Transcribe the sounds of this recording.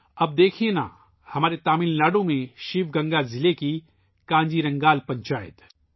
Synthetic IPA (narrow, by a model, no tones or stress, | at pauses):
ɐb̚d̪eːkʰiẽna̰ː | hɐmaːɾet̪aːminlaːɖõmẽʃiːʋɡɐ̃ŋɡazɪleki | kãːɲd͡ʒiɾɐ̃ŋɡaːlpɐ̃ɲt͡ʃaːjə̰t̪